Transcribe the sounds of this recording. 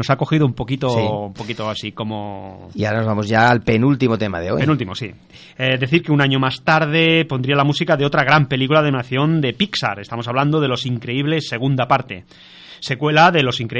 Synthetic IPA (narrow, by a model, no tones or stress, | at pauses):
o̞sako̞xiðoumpo̞kit̪oumpokit̪oasiko̞mo̰iaɾanozβamozʝaːlpenult̪imot̪ema̰ðeo̰jpenult̪imosḭ | ed̪e̞θiɾkeunaɲomast̪aɾð̞e̞po̞nd̪ɾialamusikaðeo̞t̪ɾaɣ̞ɾampe̞likulaðenaθjo̞nd̪e̞piksa̰ɾe̞st̪amo̞saβland̪o̞ðe̞lo̞siŋkɾe̞iβle̞sːe̞ɣ̞und̪apaɾt̪e̞ | se̞kwe̞laðe̞lo̞siŋkɾe